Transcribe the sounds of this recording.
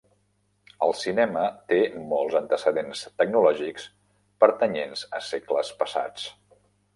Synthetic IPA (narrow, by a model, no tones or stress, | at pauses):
əlˠsinɛmət̪emɔlˠzənt̪əsəðenst̪əɡnulɔʒiks | pəɾt̪əɲenzə̰sekləspəsa̰t͡s